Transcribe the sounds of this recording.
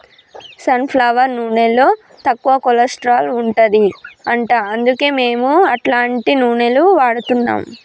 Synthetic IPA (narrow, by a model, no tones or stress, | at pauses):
sɐnpʰlɐʋɐɾnuːnelːo̞ː | t̪ɐkːuʋɐkɔlɐsʈɾaːluɳʈɐd̪iɐɳʈaːɐnd̪uke̞ːme̞ːmuɐʈlaːɳʈinuːɳeluʋaːɽut̪unːa̰ːm